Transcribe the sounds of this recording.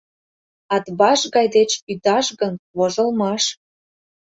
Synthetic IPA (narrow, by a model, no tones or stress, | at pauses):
ɑt̪bɑʃɣɑjd̪et͡ɕyd̪ɑʃɣənβoʒəlˠmɑʃ